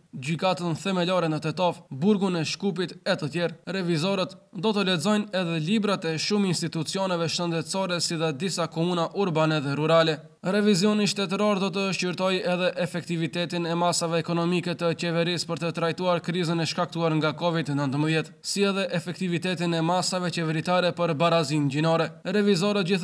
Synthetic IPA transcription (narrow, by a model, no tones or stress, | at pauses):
ɟykat̪ənθɛmɛlɔɾɛnət̪ɛt̪ɔfbuɾɡunɛʃkup̬it̪ɛt̪ət̪jɛɾrɛvizɔɾət̪d̪ɔt̪əlɛzɔjnɛðɛlibɾat̪ɛʃuminst̪it̪ut͡siɔnɛvɛʃənd̪ɛt̪sɔɾɛsiðɛd̪isakɔmunaʔuɾbanɛðɛɾuɾalɛ | ɾɛvizjɔniʃt̪ɛt̪əɾɔɾd̪ɔt̪̬əʃiɾt̪ɔjɛðɛʔɛfɛk̚t̪ivit̪ɛt̪inɛmasavɛːkɔnɔmikɛt̪ət͡ɕɛvɛɾispəɾt̪ət̪ɾajt̪uaɾkɾizənɛʃkak̚t̪uaɾŋɡakɔvid̪nənt̪əməðjɛt̪siɛðɛʔɛfɛk̚t̪ivit̪ɛt̪inɛmasavɛt͡ʃɛvɛɾit̪aɾɛpəɾbaɾazinɟinɔɾɛɾɛvizɔɾət̪̚ɟiθ